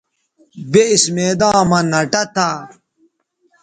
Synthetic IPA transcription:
beismeːd̪ãːmɐnɐʈɐt̪a

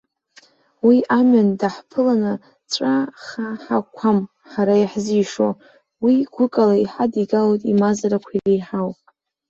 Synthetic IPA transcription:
wiʔamandaħpʰɨlanɨ | t͡ʃʷʼaχaħakʷʰam | ħaɾajaħzijʂo̰ | wiɡʷʊkʼalaiħadiɡalojtʼimazaɾakʷʰilejħawpʼ

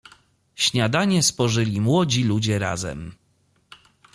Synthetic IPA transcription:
ɕɲad̪aɲɛspɔʐɘlʲimwɔd͡ʑilud͡ʑɛɾa̰zɛ̰m

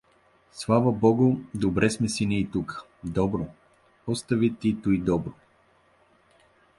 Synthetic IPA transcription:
slˠavəbɔɡʊd̪obɾɛsmɛsiniːt̪ukə̥ | d̪ɔbɾo | ɔst̪əvit̪it̪uid̪ɔbɾo

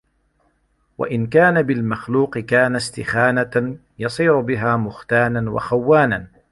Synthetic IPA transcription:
wa̰ʔɪnkaːnabɪlmaxluːqɨkaːnast̪ɪxaːna | jɑsˤiːɾʊbɪɦaːmʊxt̪aːnanwa̰xawːaːnan

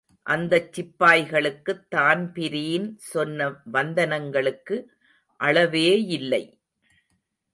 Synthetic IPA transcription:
ʔɐnd̪ɐt͡ʃːɪpːaːjɣɐɭɯkːɯt̪ːaːnpɪɾijɪnsɔnːɐʋɐnd̪ɐnɐŋɡɐɭɯkːɯ | ʔɐɭɐʋeːɪlːɐɪ

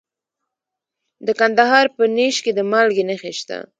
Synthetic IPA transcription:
d̪əkand̪aɦɑɾpəneʃked̪əmalɡenexeʃt̪a̰

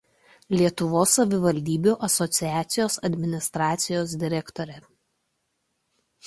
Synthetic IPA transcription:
lʲiɛt̪ʊʋoːsːɐʋʲɪʋɐlʲd̪ʲiːbʲuːʔɐsɔt̪sʲɪjæːt̪sʲɪjoːsɐd̪ʲmʲɪnʲɪst̪ɾɑːt̪sʲɪjoːsd̪ʲɪɾʲɛkt̪ɔɾʲɛ

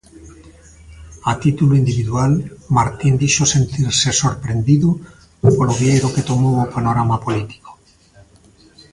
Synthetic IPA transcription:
at̪it̪uloind̪iβiðualmaɾt̪ind̪iʃosent̪iɾsesoɾpɾend̪iðu | poloβjejɾoket̪omowopanoɾamapolit̪i̥ko̥

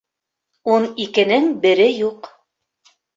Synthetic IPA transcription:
unikɘ̆nɘŋbɘ̆ɾɘjuq

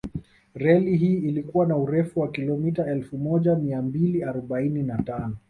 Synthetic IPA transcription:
ɾɛliɦiːlikuwanauɾɛfuwakilɔmitaɛlfumɔʄamiambiliaɾɔɓaininatanɔ

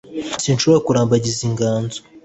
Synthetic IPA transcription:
sinʃoβoɾakuɾaːmbaɟiziŋɡaːnzo

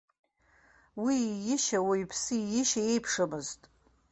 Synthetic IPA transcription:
wijɪʃawaipʰsɨijɪʃae̞jpʰʂamɨztʼ

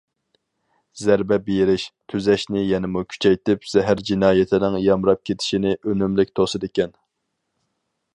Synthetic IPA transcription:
zæɾbɛbejɾɪʃt̪ʰyzɛʃnɪjɛnɪmukʲʰy̥t͡ʃʰɛjt̪ɪpz̥ɛɦæɾd͡ʒinɑːjɪt̪ʰɪnɪŋjɑmɾɑp̚kʲʰet̪ʰɪ̥ʃinɪʔønymlɪkʲt̪ʰosɨd̪ekʲɛn

